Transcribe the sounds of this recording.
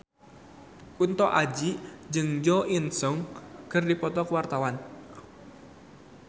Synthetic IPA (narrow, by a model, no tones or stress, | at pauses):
kunt̪ɔʔad͡ʒid͡ʒɨŋd͡ʒɔinsɔŋkɨrdipɔt̪ɔkəwart̪awan